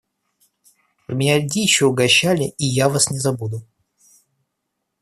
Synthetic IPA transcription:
mʲɪnʲalʲdʲijɪɕːoʊɡɐɕːalʲɪʔijavasnʲɪzɐbud̪ʊ

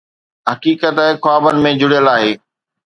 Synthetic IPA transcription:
ɦɐkiːkət̪ɦɪxwaːbənɪ̆mẽd͡ʑʊɽijəlaːɦeː

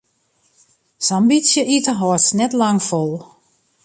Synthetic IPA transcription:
sambisjəʔitəɦɔtsnɛtlaŋfolˠ

